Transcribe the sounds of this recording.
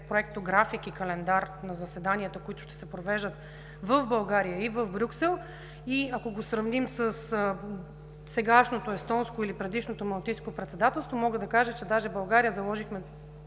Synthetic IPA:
pɾoɛk̚t̪oɡɾafikikɐlɛnd̪aɾnɐzɐsɛd̪anʲiət̪əkoit̪ʊ̥ʃt̪ɛ̥sɛpɾovɛʒd̪ət̪ | vəvbɐlˠɡaɾijəivəvbɾʲuksɛlˠ | iakoɡosɾɐvnimsəs | sɛɡaʃnot̪oɛst̪ɔnskoilipɾɛd̪iʃnot̪omɐlˠt̪inskopɾɛt̪sɛd̪at̪ɛlˠst̪vomɔɡəd̪ɐkaʒət͡ʃɛd̪aʒɛbɐlˠɡaɾijəzɐlˠɔʒixmɛ

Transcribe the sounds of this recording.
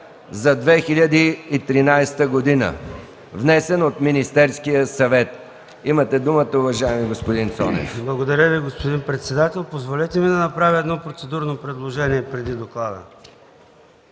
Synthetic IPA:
zɐd̪vɛxilʲəd̪iːt̪ɾinajst̪əɡod̪inə̰ | vnɛsɛnot̪minist̪ɛɾskijəsɐvɛt̪ | imət̪ɛd̪umət̪əʊvɐʒaɛmiɡospod̪insɔ̰nɛ̰fblˠɐɡod̪ɐɾʲjəviɡospod̪inpɾɛt̪sɛd̪at̪ɛlˠpozvolɛt̪ɛmid̪ɐnɐpɾavʲiɛd̪nɔpɾot̪sɛd̪uɾnopɾɛd̪lˠoʒɛniɛpɾɛd̪id̪oklˠad̪ə̰

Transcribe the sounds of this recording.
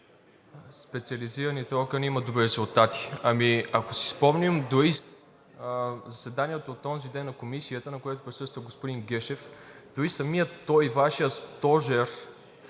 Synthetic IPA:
spɛt̪siəliziɾɐnit̪ɛɔkənimɐd̪obɾiɾɛzulˠt̪at̪i̥ɐmiɐkosi̥spɔmnimd̪oɾi | zɐsɛd̪aniɛt̪oːt̪ːɔnzid̪ɛnːɐkomisiət̪ənɐkojat̪opɾisɤst̪vəɡospod̪inɡɛʃɛf | d̪̥oɾisɐmijət̪ːɔjvaʃijəst̪ɔʒɛɾ

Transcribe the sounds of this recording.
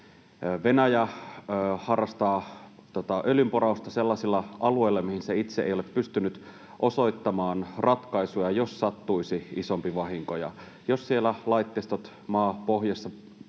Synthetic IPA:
ʋe̞næjæː | hɑrːɑst̪ɑː | t̪ot̪ɑʔølympoɾɑust̪ɑselːɑsilːɑɑluejlːɑmihinseit̪seʔḛjo̞lepːyst̪ynyt̪ | ʔoso̞jt̪ːɑmɑːnrɑt̪kɑisujɑjossɑt̪ːuisiisompiʋɑɦiŋkojɑ̰ | jossielælɑit̪ːest̪ot̪ | mɑːpoɦjɑsːɑ

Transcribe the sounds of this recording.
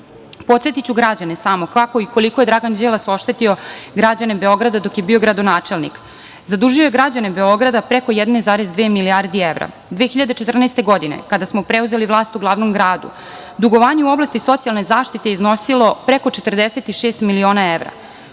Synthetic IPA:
po̞t̪set̪it͡ɕuɡɾad͡ʑanesamo̞kako̞iko̞likojed̪ɾaɡand͡ʑelˠaso̞ʃt̪et̪io̞ɡɾad͡ʑanebe̞o̞ɡɾad̪ad̪o̞kjebiːo̞ɡɾad̪o̞naːt͡ʃe̞lnḭk | zad̪uʒioje̞ɡɾad͡ʑane̞be̞o̞ɡɾad̪apɾeko̞jɛd̪nezaːɾezd̪ʋeːmiliaɾd̪ieʋɾa̰ | d̪ʋeːxiʎad̪et͡ʃet̪r̩neːst̪e̞ɡo̞d̪inḛkad̪asmo̞pɾeuze̞liʋlˠaːst̪uɡlˠaːʋno̞mɡɾaːd̪ṵ | d̪uɡo̞ʋaːɲeuo̞blˠast̪iso̞t̪sijalˠne̞zaːʃt̪it̪e̞jeiznosilˠo̞pɾeko̞t͡ʃet̪r̩d̪eset̪iʃeːst̪milio̞ːnae̞ʋɾa̰

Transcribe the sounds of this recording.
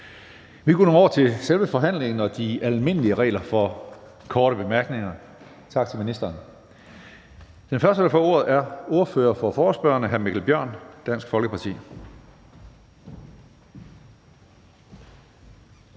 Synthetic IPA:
ʋiɡ̥o̝̰ːno̝ːnɒ̰ːt͡sʰe̝selʋəfɒ̽ɦæn̰le̝ŋn̩ɒ̽d̥iælme̝n̰əliəʁɛ̰ːlɐfɒ̽ | kʰɒːɾ̥əb̥e̝mæɐɡ̥ne̝ŋɐ | t͡sʰɑ̈ɡ̥̚t͡sʰe̝lminisd̥ɐːn | d̥enfɶɐsd̥əd̥ɑ̈fɒ̰ːo̝ɐð̞̩ˠæɐo̝ɐfø̰ːɐfɒ̽fɒːsb̥ɶ̰ːɐnəɦæɐmiɡ̥l̩b̥jɶœɐ̰nd̥æn̰sɡ̥fɒ̽lɡ̥əpʰɑ̈t͡sʰḭː

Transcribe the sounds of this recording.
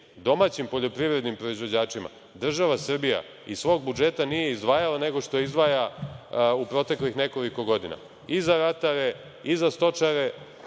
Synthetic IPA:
d̪o̞mat͡ɕimpo̞ʎo̞pɾiʋɾe̞d̪nimpɾo̞izʋo̞d͡ʑaːt͡ʂima̰ | d̪r̩ʒaʋasr̩bija̰ | isʋo̞ːɡ̚bud͡ʒe̞t̪anije̞izd̪ʋaːjalane̞ɡo̞ʃt̪o̞izd̪ʋaːja | upɾo̞t̪e̞klixne̞ko̞liko̞ɡo̞d̪ina̰ | izaɾat̪aɾe̞ | izast̪o̞t͡ʃaɾe̞

